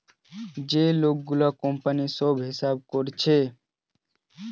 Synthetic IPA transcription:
d͡ʒeːloːk̚ɡʊlaːkõmpənisoːbʱɦɪsaːb̚koɾt͡ʃʰeː

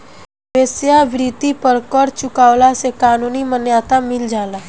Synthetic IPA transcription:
ʋesjaʋɾit̪ipəɾkəɽt͡ʃukaʋlasekaːnunimənjat̪amild͡ʒala

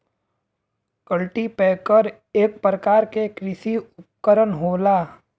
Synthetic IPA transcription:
kəlʈipɛːkəɾ | eːk̚pɾəkaːɾkekɾɪsiʊp̚kəɾənɦoːlaː

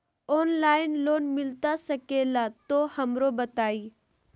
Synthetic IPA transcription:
oːnlaːɪnloːnmɪlt̪asɐkeːlat̪ohɐmɾobɐt̪aːiː

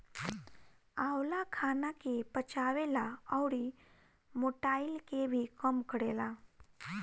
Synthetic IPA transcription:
awlakʰanakepət͡ɕaʋelaəwɽi | moʈailkebʱikəmkəɽela

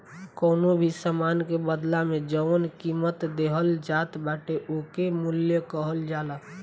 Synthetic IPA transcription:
kəːnobʱisəmankebəd̪lamẽd͡ʒəʋənkimət̪d̪eɦəld͡ʒaːt̪baʈeʔokemʊljəkəɦəld͡ʒala

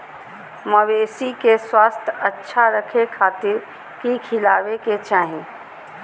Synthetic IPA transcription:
məʋeːsikeswaːst̪ʰətːʃʰaɾəkʰekʰaːt̪ɪɾ | kikʰɪlaːʋeket͡ʃaːɦĩː

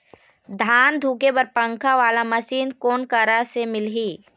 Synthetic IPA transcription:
d̪ʱaːnd̪ʱuːkebɐɾpə̃ŋkʰaʋaːlamɐʃiːnkoːnkəɾasemɪlɦiː

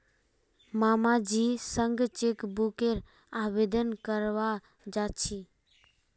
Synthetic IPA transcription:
maːmad͡ʒisəŋɡt͡ʃekbukeɾ | abed̪ənkəɾʋa | d͡ʒat͡ʃʰi

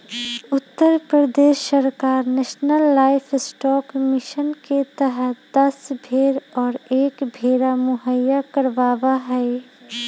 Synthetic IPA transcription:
ʊt̪ːəɾpɾəd̪eːʃəɾkaːɾneːʃnəlːaːɪpʰɪsʈɔːkmɪʃənket̪əɦəd̪əsbʱeːɾɔːɾeːkbʱeːɾamʊɦəjakəɾʋaːʋaɦɛ

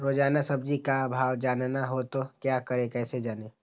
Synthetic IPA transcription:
ɾoːd͡ʒaːnasɐb̚d͡ʒikabʱaːʋd͡ʒaːnnaɦot̪okjaːkəɾẽkɛːsed͡ʒaːneː

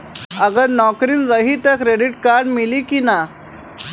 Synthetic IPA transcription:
əɡəɾnɔkɾiːnɾəɦiːt̪əkɾeɖiʈkaɾɖmilikina

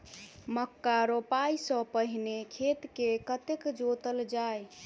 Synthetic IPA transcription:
məkːaɾopaisə̃pəɦinekʰet̪kekət̪ekd͡ʒot̪əld͡ʒaj

